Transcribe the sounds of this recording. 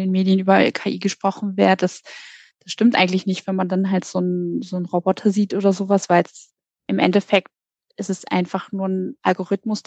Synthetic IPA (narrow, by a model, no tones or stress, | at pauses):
deːnmeːdijənʔyːbɐkʰaːʔiːɡəʃpʁ̥ɔχn̩veːɐdəd̥as | d̥asʃtɪmtʔa̰ɪɡŋ̩tlɪçnɪçtv̥ɛnmandanɦaltz̥oːnzoːnʁobɔtʰɐziːtʔoːdɐzoːvasv̥aɪls | ʔɪmʔɛ̰ntɛfɛk̚t | ʔɪstɛsʔa̰ɪnfaχnuːɐn̩ʔalɡoʁ̞ɪtmʊs